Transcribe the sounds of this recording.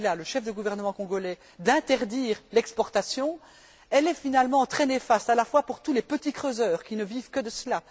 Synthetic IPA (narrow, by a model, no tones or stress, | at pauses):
laləʃɛfd̪əɡuvɛʁnəmɑ̃kɔ̃ɡɔlɛ | d̪ɛ̃t̪ɛʁd̪iːʁlɛkspɔʁt̪asjɔ̃ | ɛlɛfinalmɑ̃t̪χɛnefast̪alafwapuʁt̪ulepət̪ikχøzœːʁkʲinəvivkəd̪əsəla